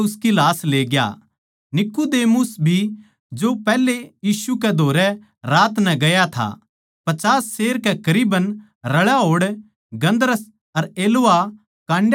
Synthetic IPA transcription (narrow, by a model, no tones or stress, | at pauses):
ʊskilaːsleːɡja̰ | nɪkud̪eːmʊsbʱi | d͡ʒopɛːlejiːsukɛd̪ʱoːɾɛ | ɾaːt̪nɛ̃ɡɐjat̪ʰa̰ | pɐt͡ʃaːsːeːɾkɛkɐɾiːbən | ɾɐɭaɦoːɽ | ɡɐ̃nd̪əɾəs | ɐɾeːloa | kãːɳɖ